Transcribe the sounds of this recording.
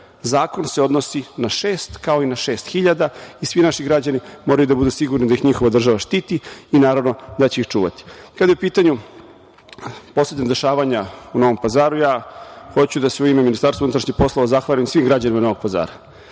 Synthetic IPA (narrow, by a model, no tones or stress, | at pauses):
zaːko̞nseo̞d̪nosinaʃeːst̪kao̞inaʃe̞ːst̪xiʎad̪aisʋinaʃiɡɾad͡ʑanimo̞ɾajud̪abud̪usiɡuɾnid̪ajixɲixoʋad̪r̩ʒaʋaʃt̪iːt̪iːnaːɾaʋno̞d̪at͡ɕe̞ixt͡ʂuːʋa̰t̪i̥kad̪ajeupiːt̪aɲu | po̞senad̪e̞ʃaːʋaɲauno̞ʋo̞mpazaːɾujaːxo̞t͡ɕud̪aseuimeminist̪aɾsaunut̪ɾaʃɲixpo̞slˠoʋazaxʋaɾemsʋiːmɡɾad͡ʑanimano̞ʋoɡ̚paza̰ːɾa